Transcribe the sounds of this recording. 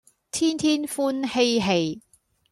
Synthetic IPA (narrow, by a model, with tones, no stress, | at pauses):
t̪ʰiː˥nt̪ʰiː˥nfuː˥nhe˧jɦe˧j